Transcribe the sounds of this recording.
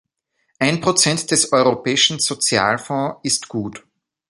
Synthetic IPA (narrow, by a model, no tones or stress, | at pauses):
ʔaɪnpʁ̥ot͡sɛntd̥ɛsɔʏʁopɛːɪʃn̩z̥ot͡sja̰ːlfɔ̃ːɪstɡ̥uːt